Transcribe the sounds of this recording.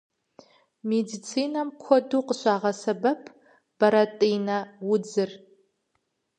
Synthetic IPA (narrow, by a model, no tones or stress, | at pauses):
medit͡sʰiːnɐmkʷʰɔduːqəɕʷaːʁɐsɐbɐpʰ | b̥ɐɾɐtʼijnɐwʊd͡zɨr